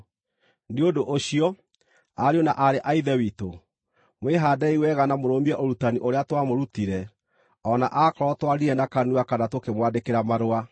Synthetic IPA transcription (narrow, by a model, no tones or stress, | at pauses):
neodoʔoɕiɔ | aɾeona̰ʔaɾeʔaiðɛwito | mweɦaːdɛiwɛɣanamoɾomiɛʔoɾutaniʔoɾeatwamoɾutiɾɛ | ɔnaʔakɔɾɔtwaɾiɾɛnakanuakanatokemwadekeɾamaɾoa